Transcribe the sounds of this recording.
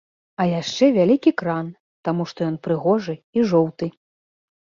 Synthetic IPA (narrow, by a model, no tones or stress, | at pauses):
ɐjaʂt͡ʂɛvʲalʲikʲikɾan | t̪amuʂt̪ɔjɔn̪pɾɨɣɔʐɨiʐɔwt̪ɨ